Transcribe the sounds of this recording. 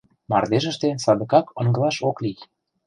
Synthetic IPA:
mɑ̰rd̪eʒə̆ʃt̪ensɑd̪ə̆kɑkɤ̆ŋɡə̆lɑʃoklij

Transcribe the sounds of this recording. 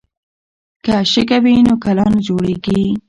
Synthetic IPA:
kaʃɪk̬awinokalɑnd͡ʒoɽeɡi

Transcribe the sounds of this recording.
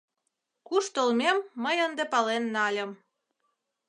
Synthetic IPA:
kuʃt̪olmemːəjənd̪epɑlenːɑlʲə̆m

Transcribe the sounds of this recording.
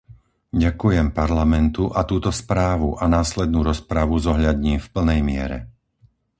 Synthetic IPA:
ɟakujɛmpaɾlamɛnt̪uʔat̪uːt̪ɔspɾaːʋuʔanaːslɛd̪̚nuːɾɔspɾaʋuzɔɦʎad̪ɲiːmfpl̩nɛjmɪɛ̰ɾɛ̰

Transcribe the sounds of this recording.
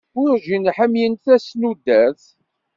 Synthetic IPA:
ʊɾʒinħəmjənθæsnud̪æθ

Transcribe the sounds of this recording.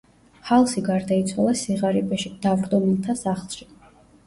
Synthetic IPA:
halˠsiɡaɾd̪ait̪sʰwalˠasiʁaɾipʼɛʃid̪̥avɾd̪ɔmilˠt̪ʰasaχlˠʃi̥

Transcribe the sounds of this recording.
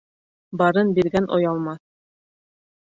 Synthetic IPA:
bɑɾɤnbiɾɡænʔojɑlˠmɑθ

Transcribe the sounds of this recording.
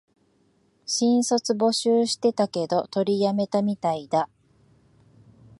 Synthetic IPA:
ɕĩɰ̃so̞t͡sɨbo̞ɕɨːɕi̥t̪e̞t̪ake̞d̪o̞t̪o̞ɾʲijame̞t̪amʲit̪aid̪a

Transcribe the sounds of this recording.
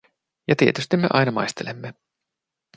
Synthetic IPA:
jɑt̪iet̪yst̪imːe̞̰ʔɑjnɑmɑ̰jst̪elemːe

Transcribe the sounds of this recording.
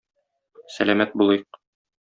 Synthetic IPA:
sælæmæt̪̚bulˠɤjɤq

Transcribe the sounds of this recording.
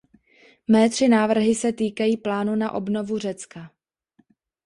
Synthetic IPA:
mɛːt̪r̝̥ɪnaːvr̩ɦɪsɛt̪iːkajiːplaːnunaʔo̞bno̞vur̝ɛt͡ska

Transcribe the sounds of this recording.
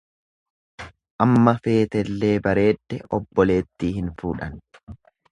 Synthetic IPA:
ʔɐmːɐfe̞ːt̪ɛlːe̞ːbɐɾe̞ːd̪̥ːɛʔɔbːɔle̞ːt̪ːiːhɪnfuːᶑɐn

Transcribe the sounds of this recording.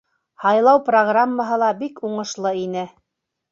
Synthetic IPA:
hɑjlˠɑwproɡramːəɦɤ̆lˠɑbikuɴɤ̆ʃlˠɤinɘ

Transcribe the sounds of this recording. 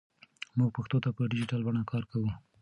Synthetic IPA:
muɡ̚paxt̪ot̪apəɖɪd͡ʒɪʈalbaɳ̃akɑɾkawu

